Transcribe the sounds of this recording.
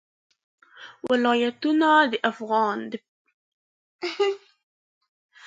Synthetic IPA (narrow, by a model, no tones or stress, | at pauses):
wɪlɑːjat̪unad̪ɪʔafɣɑːnd̪ɪ